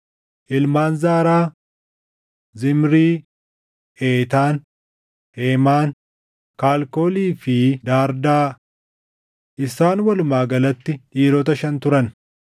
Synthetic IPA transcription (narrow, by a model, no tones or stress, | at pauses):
ʔɪlmaːnzaːɾaː | zɪmɾiː | ʔeːt̪aːn | heːmaːn | kaːlko̞ːliːfɪd̪aːɾd̪aː | ʔɪsaːnwɐlʊmaːɡɐlɐt̪ːɪᶑiːɾɔt̪ɐʃɐnt̪ʊɾɐn